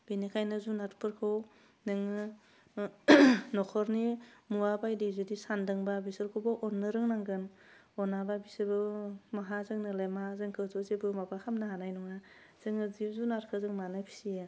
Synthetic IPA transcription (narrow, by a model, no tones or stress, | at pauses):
b̥enikʰajnɯzunaɾpʰɯɾkʰɯw | nɯŋɯ | nɔkʰɔɾnimuabajdizudisandɯŋbabisɯɾkʰubɯʔɔnːɯɾɯŋnaŋɡɯn | ɔnababisɯɾbɯmaɦazɯŋnɯlajmaazɯŋkʰɯwzɔzebɯmabakʰamnaɦanajnɔŋa | z̥ɯŋɯzizunaɾkʰɯzɯŋmanɯpʰi̥sija